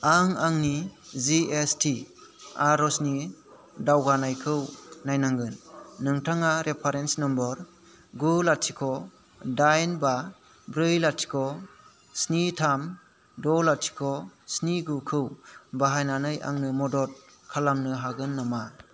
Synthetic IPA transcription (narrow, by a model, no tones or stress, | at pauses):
aŋaŋniziestʰi | aɾɔsni | dawɡanajkʰɯwnajnaŋɡɯnːɯŋtʰaŋaɾʔepʰaɾensnɔmbɔɾ | ɡulatʰikʰɔ | dajnba | bɾɯjlatʰi̥kʰɔ | snitʰam | dɔlatʰi̥kʰɔsniɡukʰɯwbaɦajnanɯjʔa̰ŋnɯmɔdɔt̚ | kʰalamnɯɦaɡɯnːama